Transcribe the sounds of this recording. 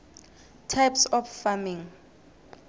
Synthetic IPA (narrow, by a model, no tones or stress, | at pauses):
tʰajpsɔffamĩŋ